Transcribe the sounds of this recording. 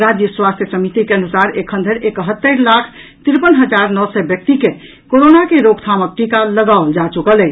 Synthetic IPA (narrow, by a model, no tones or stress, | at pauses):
ɾad͡ʒjəswast̪ʰjəsəmit̪ikeənusaɾekʰə̃nd̪ʱəɾekəɦət̪ːəɾlakʰ | t̪iɾpənɦəd͡ʒaɾnɔsɛbjək̚t̪ike | koɾonakeɾoɡt̪ʰamək̚ʈikaləɡaold͡ʒat͡ʃukəlɛ